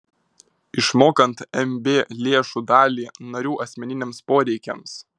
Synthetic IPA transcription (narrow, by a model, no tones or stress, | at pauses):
ɪʃmoːkɐnt̪ɛmʲbʲeːlʲeːʃuːd̪ɑːlʲiːnɐɾʲuːʔɐsʲmʲɛnʲɪnʲeːmspoːɾʲɛɪkʲɛ̰ms